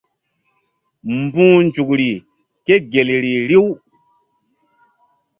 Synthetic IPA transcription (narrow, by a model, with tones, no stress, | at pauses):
m˨bũ˦nd͡ʒu˨kɾi˨ | ke˦ɡe˨lɾi˨ɾi˦w